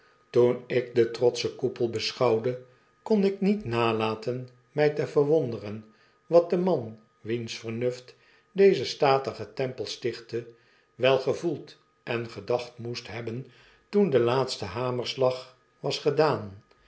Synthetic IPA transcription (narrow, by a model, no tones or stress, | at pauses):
tunɪk̚dətrɔt̪səkupəlˠbəsχɑwdə | konɪknitnaːlaːtən | mɛjtəvərʋɔndərən | ʋɑt̚dəmɑn | ʋinsfərnɵft | dejzəstaːtəχətɛmpəlˠstɪχtə | ʋɛlˠχəvulˠt | ʔɛnχədɑχtmustɦɛbən | tundəlaːtstəɦaːməɹslɑχ | ʋɑsχədaːn